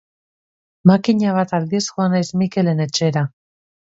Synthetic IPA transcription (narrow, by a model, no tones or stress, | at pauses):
makiɲaβ̞at̪ald̪ie̞sxoanajsmike̞le̞ne̞t͡ʃe̞ɾa